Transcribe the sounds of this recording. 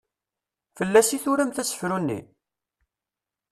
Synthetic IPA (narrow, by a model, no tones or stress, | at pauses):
fəlːæsiθʊɾæmθæsə̥fɾunːḭ